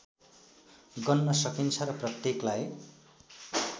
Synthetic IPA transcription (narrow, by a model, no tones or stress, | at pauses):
ɡʌnːʌsʌkint͡sʰʌɾʌprʌt̪jeklaj